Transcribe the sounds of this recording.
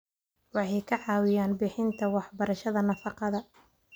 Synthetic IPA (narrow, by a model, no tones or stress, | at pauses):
wɑħɑjkʰɐʕɑːwɪjaːnbɪħɪnt̪ʰɐwɑħbɐɾɐʃɐðɐnɐfɑqɑðɐ